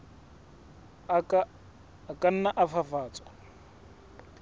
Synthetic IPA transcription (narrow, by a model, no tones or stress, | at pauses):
kʼan̩naʔafafaːt͡sʼwḁ